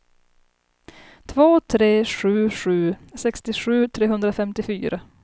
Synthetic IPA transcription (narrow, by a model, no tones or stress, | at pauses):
t̪ʰvoːt̪ʰɾeːɧʉ̟ːɧʉ̟ːsɛkst̪ɪɧʉ̟ːt̪ʰɾeːɦɵnd̪ɾafɛmt̪ɪfyːɾʔa